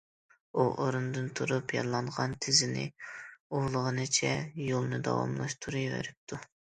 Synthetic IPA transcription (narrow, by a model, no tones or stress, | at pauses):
uʔoɾund̪ɨnt̪ʰuɾupjɑnlˠɑɴʁɑnt̪ʰɪzɪnɪ̰oʁlˠəʁənɨt͡ʃʰɛjolˠnɨd̪ɑ̰wɑ̰mlˠɑʃt̪ʰuɾujvḛɾɪp̚t̪ʰu